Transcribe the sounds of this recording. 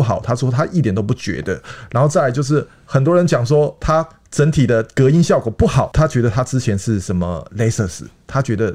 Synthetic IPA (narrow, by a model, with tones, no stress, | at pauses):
u˩xɑ˨˩˦ʊt̪ʰa˥ʂwɔ˥t̪ʰa˥ʔi˥˩jnt̪o˥ʊp̬u˥˩t͡ɕɥɛ̰˧˥d̪ə̰˧˨ɻa˧˥nxo˥˧ʊt͡sa˥˩˧t͡ɕjʊʂ̬ɻ̩˥˩ | xə˨˩nt̪̬wɔ˥ɻə˧˦nt͡ɕjɑ˨˩ŋʂwɔ˥t̪ʰa˥ | ʈ͡ʂə˧˥nt̪ʰi˨˩d̪ə˨kɤ˧˥i˥nɕjɑ˥˩ʊkɔ˨˩pu˥˩xɑ˨˩˦ʊt̪ʰa˥t͡ɕɥɛ˧˥d̪ə˨t̪ʰa˥ʈ͡ʂɻ̩˥t͡ɕʰjɛ˧˥nʂɻ̩˥˩ʂə˧˥nmə̰˨le˥ɪsə˥˧s̩˨˦t̪ʰa˦˥t͡ɕɥɛ˧˥d̪ə˧